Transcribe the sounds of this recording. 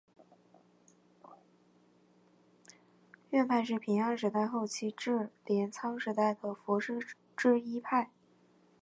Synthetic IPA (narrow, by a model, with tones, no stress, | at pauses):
ɥɛ˥˧npʰa˥˧ɪʂ̬ɻ̩˥˩pʰi˧˥ŋjɑ˥ŋʂ̬ɻ̩˧˥t̪a˥˧ɪxo˥˩ʊt͡ɕʰi˥ʈ͡ʂɻ̩˥˩ljɛ˧˥nt͡sʰɑ˥ŋʂɻ̩˧˥t̪a˥˩ɪd̪ə˩fu˧˥ʈ͡ʂɻ̩˥ | ʈ͡ʂɻ̩˥i˥pʰa˥˩ɪ